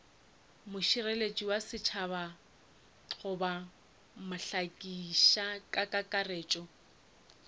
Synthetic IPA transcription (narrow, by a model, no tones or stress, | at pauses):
mʊʃirelet͡ʃʼiwasɪt͡ʃʰaβa | χʊba | mʊɬakʼiʃakʼakʼakʼareːt͡ʃʼɔ